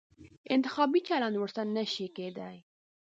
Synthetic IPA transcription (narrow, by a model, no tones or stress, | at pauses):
ɪnt̪ɪ̥xɑbit͡ʃalɑnwəɽsanəʃiked̪aj